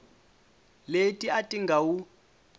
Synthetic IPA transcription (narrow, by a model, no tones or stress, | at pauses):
letʼiatʼiŋɡʱawu